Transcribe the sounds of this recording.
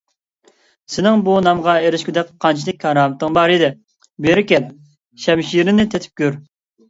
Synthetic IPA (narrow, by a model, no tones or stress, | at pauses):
sɪnɪŋbunɑmʁɑeɾɪʃkʲyd̪ɛk̚qʰːɑnt͡ʃʰilˠɪkʲʰːɑɾɑːmɨt̪ːɨŋbɑɾɨd̪ɪ | beɾɪkʲɛp̚ | ʃɛmʃiɾɪnɪt̪ʰet̪ʰɪ̥p̚kʲʰøɾ